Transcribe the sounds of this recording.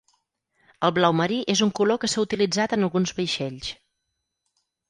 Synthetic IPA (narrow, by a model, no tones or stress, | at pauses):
əlˠβlawməɾiʔezuŋkulokəsaut̪ilid͡zat̪ənəlˠɣunzβəjʃɛʎs